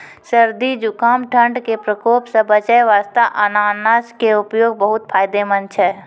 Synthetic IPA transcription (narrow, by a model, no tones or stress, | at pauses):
səɾd̪id͡ʒʊkaːmʈʰə̃ɳɖkepɾəkoːpsəbət͡ʃəjʋaːst̪aʔɐnaːnaːskeʊpjoːɡ̚bəɦʊt̪̚pʰaːjd̪emənt͡ʃʰɛ